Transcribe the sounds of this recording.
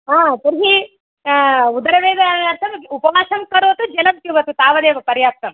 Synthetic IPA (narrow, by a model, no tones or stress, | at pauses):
ɦaːt̪ɐɾɦi | ud̪ɐɾɐʋeːd̪ɐɐɾt̪ʰɐmupɐʋaːʃɐmkɐɾoːt̪ud͡ʒɛlɐmt̪juʋɐt̪ut̪aːʋɐd̪eːʋɐpɐɾjaːp̚t̪ɐm